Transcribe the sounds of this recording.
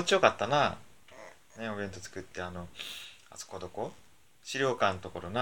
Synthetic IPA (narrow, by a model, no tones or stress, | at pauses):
ot͡ɕijokat̪ːana | neobẽ̞nt̪ot͡sɨ̥kɯ̟t̪ːe̞anoa̰so̥kod̪o̞ko̞ | ɕiɾʲo̞ːkãnt̪o̞ko̞ɾona